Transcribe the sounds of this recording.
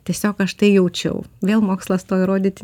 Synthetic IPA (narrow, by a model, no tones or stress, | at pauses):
t̪ʲiɛsʲoːkɐʃt̪ɐɪjɛʊt͡ʃʲɛ̰ʊʋʲeːlˠmoːkslˠɐst̪oːjɪɾoːd̪ʲiːt̪ʲ